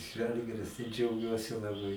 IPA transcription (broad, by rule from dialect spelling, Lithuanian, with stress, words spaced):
ˈʒɐlʲɡʲɪrʲɪs tɐɪ d͡ʒʲɛʊˈɡʲuɔsʲɪ lˠɐˈbɐɪ